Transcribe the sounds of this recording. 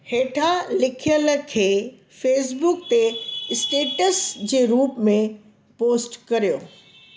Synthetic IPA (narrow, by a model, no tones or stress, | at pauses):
heːʈʰalɪkʰijəlkʰeː | feːsbʊk̚t̪esʈeːʈəsd͡ʑeːɾuːpmẽ | poːsʈkɐɾijoː